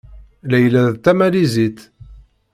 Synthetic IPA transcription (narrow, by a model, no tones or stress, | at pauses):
læjlæðt̪ːæmælizit̪